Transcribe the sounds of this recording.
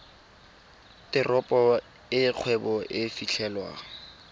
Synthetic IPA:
tʼɪrɔpʼɔ | ɪq͡χʰwɛbɔʔɪfiɬʰɛlwa̰

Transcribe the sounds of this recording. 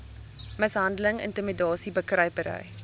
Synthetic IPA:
məsɦɐndələŋə̰ntimidɑːsibəkrəɥpəɾə̰j

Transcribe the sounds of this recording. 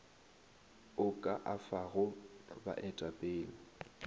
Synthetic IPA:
ʊkʼaʔafaɣʊba̰ʔɛtʼapʼeːlɪ

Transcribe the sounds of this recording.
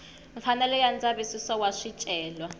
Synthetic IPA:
ɱfanɛlɛjand͡zaβisisɔwaʂit͡ʃʼɛːlwa

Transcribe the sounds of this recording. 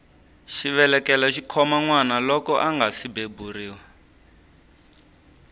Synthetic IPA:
ʃiβɛlɛkɛlaʃikʰɔmaŋwanalɔkɔʔaŋɡasibeburiːwa

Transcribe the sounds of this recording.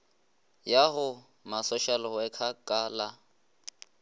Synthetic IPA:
jaɦʊ | masɔʃalwɛkʰakʼaːla

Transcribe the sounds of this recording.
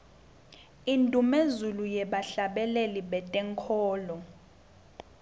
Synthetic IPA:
intʼumezulujɛɓaɬaɓɛleliɓɛtʼɛŋkʰɔːlɔ

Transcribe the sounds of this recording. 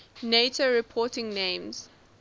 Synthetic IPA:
netoɹipʰɔtɪ̃ŋnẽːmz̥

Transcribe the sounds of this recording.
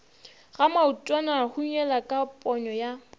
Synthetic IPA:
ɣamautʼwanahuɲ̩ɛlakʼapʼɔɲɔja

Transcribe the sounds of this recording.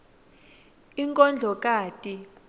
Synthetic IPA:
iŋkʼɔnd͡ɮʱɔkʼaːtʼi

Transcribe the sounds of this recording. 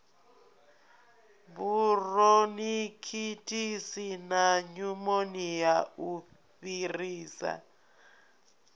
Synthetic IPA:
βuronikʰitʰʼisinaɲumonijau | ɸiriːsa̰

